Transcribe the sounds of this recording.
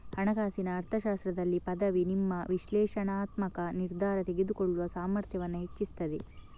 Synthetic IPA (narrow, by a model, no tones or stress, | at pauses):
hɐɳɐɡaːsinɐːɾt̪ʰɐʃaːst̪ɾɐd̪ɐlːipɐd̪ɐʋinimːɐʋiʃlɛːʃɐɳaːt̪mɐkɐniɾd̪ʱaːɾɐt̪e̞ɡed̪ukoɭːuʋɐsaːmɐɾt̪ʰjɐʋɐnːuɦet͡ʃːist̪ɐd̪e